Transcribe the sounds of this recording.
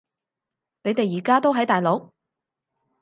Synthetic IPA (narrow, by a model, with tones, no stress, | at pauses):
ne˨˧jt̪e˨jjiː˨˩kaː˥t̪o˥wɦɐ˨˥jt̪aː˨jlo˨˥w